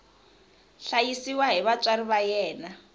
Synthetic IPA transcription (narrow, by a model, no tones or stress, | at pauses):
ɬajisiwaɦiβat͡sʼaɾiβajɛːna